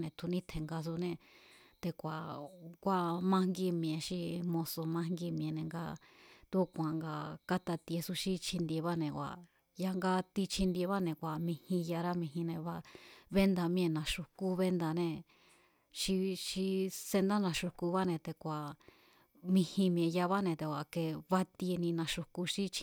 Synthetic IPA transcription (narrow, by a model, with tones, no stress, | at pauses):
nẽ˨t̪ʰu˧nĩ˦t̪ʰe˨ŋɡa˧s̬u˧nẽ˧t̪e˧kʷa˨kʷa˧mã˧ŋɡi˧mĩ˧˨ẽ˨˧ʃi˧mõ˧so˧mã˧ŋɡi˧m̃˧ẽ˨nẽ˨ŋɡa̰˧ | t̪u˦kʷã˨ŋɡa˧ka˦t̪a˧t̪i˧e˧su˧ʃi˦t͡ʃʰi˧nd̪e˧βa˦nẽ˨kʷa̰˨ | ja˧ŋɡa˧t̪i˧t͡ʃʰi˧nd̪e˧βa˦nẽ˨kʷa˨mĩ˧hĩ˧ja˧ɾa˦mĩ˧ɦĩ˧nẽ˧βa˧βe˦nd̪a˧mĩ˧ẽ˧nã˧˨ʃu˧ku˦βe˦nd̪a˧nẽ˧ | ʃi˧ʃi˧se˧nd̪a˦nã˧ʃu˧ku˧βa˦nẽ˧t̪e˧kʷa˨ | mĩ˧hĩ˧mĩ˧ẽ˨ja˧βa˦nẽ˧˨t̪e˧˨kʷa˨ke˧βa˦t̪i˧e˧nĩ˧nã˧ʃu˧ku˧ʃi˦t͡ʃʰi˧